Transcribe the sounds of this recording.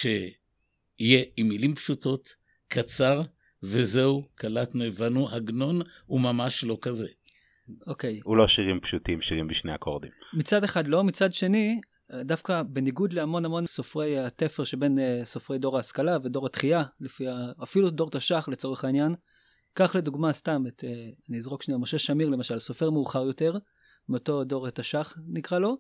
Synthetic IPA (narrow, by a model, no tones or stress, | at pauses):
ʃe̞ | ije̞imːilimpʃuto̞t | kʰat͡saʁ | ve̞zeukʰalatnovanuhaɡno̞n | umamaʃlo̞kaze̞ | oke̞julo̞ʃiʁimpʃutimʃiʁimbiʃnea̰kʰoʁd̪ḭmmit͡sadeχadlo̞mit͡sadʃe̞ni | dafkabe̞niɡud̪leamo̞namo̞nso̞fʁe̞jat̪e̞feʁʃebe̞nso̞fʁe̞jdo̞ʁaːskalavedo̞ʁat̪χialifiaafiludo̞ʁtaʃaχlet͡so̞ʁeχainjan | kaχle̞duɡmastameteaniizʁo̞kʃniamoʃe̞ʃamiʁle̞maʃalso̞fe̞ʁmeːχaʁjo̞te̞ʁ | mioto̞do̞ʁat̪aʃaχnikʁalo̞